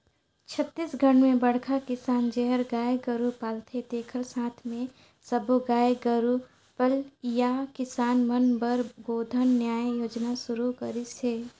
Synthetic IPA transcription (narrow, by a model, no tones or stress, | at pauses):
t͡ʃʰət̪ːiːsɡʱəɽ̃mẽbɐɽ̤kʰakɪsaːnd͡ʒɛɦəɾɡaːjeɡəɾupaːlt̪ʰet̪eːkʰəlsãːt̪ʰmẽ | sɐboɡaːjeɡəɾu | pəljakɪsaːnmənbəɾboːd̪ʱənːjaːjjoːd͡ʒnaʃʊɾukɐɾiseː